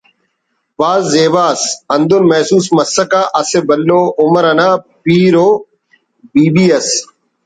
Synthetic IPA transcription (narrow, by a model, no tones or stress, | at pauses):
paːzːeːʋaːsɐnd̪ʊnmɐːsuːsmɐsːəkaːʔɐsebəlːoːʔʊməɾɐnaːpiːɾoː | biːbiːɐs